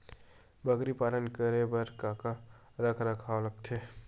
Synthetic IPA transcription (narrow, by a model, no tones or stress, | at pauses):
bəɡɾipaːlənkəɾebəɾkaːka | ɾɐkʰɾɐkʰaoləɡ̚t̪ʰeː